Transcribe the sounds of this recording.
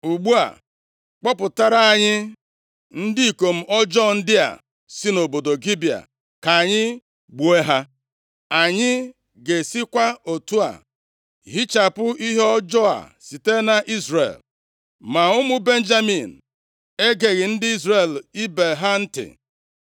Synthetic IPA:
u˨ɡ͡bu˦a̰˨ | k͡pɔ˦pʊ˨ta˦ɾa˦a˨ɲɪ˦ | n̩˦dɪ˦i˨ko˨m̩˦ʔɔ˦d͡ʒɔ˦˨n̩˦dɪ˦a̰˨ | si˦no˨bo˨do˨ɡi˦bi˨a̰˨ | ka˨ɲɪ˦ | ɡ͡bu˨e˦ɦa˦ | a˨ɲɪ˦ | ɡe˨si˦kʷa˦o˨tu˦a̰˨ | ɦi˦t͡ʃa˨pʊ˦ʔi˦ɦe˦ɔ˦d͡ʒɔ˦a̰˨si˨te˦na˨ʔi˦zɾḛ˨l | ma˨ʊ˦mʊ˦be˦n̩˦d͡ʒa˦mi˨n̩˨ | e˦ɡe˨ɣɪ˨n̩˦dɪ˦i˦zre˨li˦be˨ɦa˦n̩˦tɪ̰˨

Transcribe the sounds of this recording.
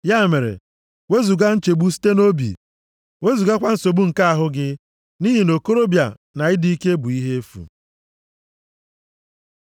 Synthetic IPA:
ja˦˨me˨ɾḛ˨ | we˦zu˨ɡa˦n̩˦t͡ʃe˨ɡ͡bu˦si̥˦te˦no˦bḭ˨ | we˦zu˨ɡa˦kʷa˦n̩˨so˨bu˦ŋ̩˨ka˦a˨ɦʊ˦ɡɪ˦ | ni˦ɦi˨no˨ko˦ɾo˦bja̰˨ | na˨ɪ˦di˦i˦ke˦bʊ˨i˦ɦe˦e˦fṵ˨

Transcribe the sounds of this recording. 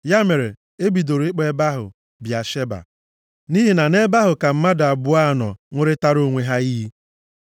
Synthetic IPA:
ja˦me˨ɾe˨ | e˦bi˨do˨ɾɪ˦k͡pe˦ba˦ɦʊ̰˨ | bja˨ʃe˦ba̰˨ | ni˦ɦi˨na˨ne˦ba˦ɦʊ˨ka˨m̩˦ma˦da˨bʊ˦a˦˨nɔ̰˨ŋʷʊ˦ɾɪ˦ta˦ɾo˨ŋʷe˨ɦa˦i˦ɦi˦

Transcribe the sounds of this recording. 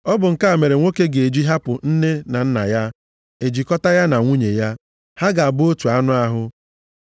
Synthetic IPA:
ɔ˦bʊ˨ŋ̩˨ka˦a˨me˨ɾe˨ŋʷo˦ke˦ɡe˨d͡ʒi˦ɦa˦pʊ˨n̩˦ne˦na˨n̩˦na̰˨ja˦ | e˨d͡ʒi˨kɔ˦ta˦ja˦na˨ŋʷu˦ɲe˨ja˦ | ha˦ɡa˨a˨bʊ˦o˦tu˨a˦nʊ˦a˦ɦʊ˦

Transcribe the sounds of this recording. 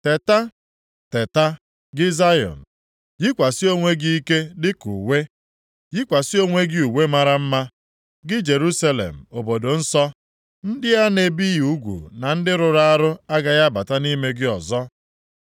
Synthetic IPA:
te˨ta˦ | te˨ta˦ | ɡɪ˦za˦jɔ̰˨n̩˨ | jɪ˦kʷa˨sɪ˦o˦ŋʷe˦ɡi˦i˦ke˦dɪ˦kṵ˨we˦ | jɪ˦kʷa˨sɪ˦o˦ŋʷe˦ɡɪ˦u˨we˦ma˦ɾa˦m̩˦ma˦ | ɡɪ˦d͡ʒe˨ɾu˦sa˦lḛ˨m̩˨o˨bo˨do˨n̩˦sɔ˦ | n̩˦dɪ˦a˦ne˨bi˦ju˦ɡʷṵ˨na˨n̩˦dɪ˦ɾʊ˨ɾa˦ɾʊ˦a˦ɡa˨ja˦ba˨ta˦ni˦me˦ɡɪ˦ɔ˨zɔ˦

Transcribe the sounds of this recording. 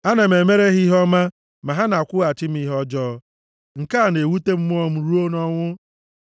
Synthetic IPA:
a˦na˨m̩e˨me˦ɾe˦ɦi˦ɦɔ˦ma˦ | ma˨ɦa˦na˨kʷʊ˦a˨t͡ʃɪ˦m̩˦i˦ɦɔ˦d͡ʒɔ˦ | ŋ̩˨ka˦a˨ne˨wu˦te˦m̩˦m˦ɔ˦m̩˦ɾu˦o˦nɔ˦ŋʷʊ˦

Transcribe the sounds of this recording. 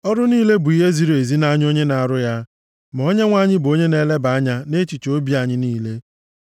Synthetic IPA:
ɔ˦ɾʊ˦niː˦le˦bʊ˨i˦ɦe˦zi˨ɾe˨zi˦na˦ɲ˦o˦ɲe˦na˨ɾʊ˦ja˦ | m˨o˦ɲe˦ŋʷa˦˨ɲɪ˦bo˦ɲe˦ne˦le˦ba˨˦ɲa˦ne˦t͡ʃi˨t͡ʃo˦bi˦a˨ɲɪ˦niː˦le˦

